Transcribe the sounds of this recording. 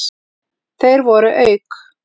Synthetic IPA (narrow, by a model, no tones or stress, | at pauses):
θejɾvɔɾʏʔœɥk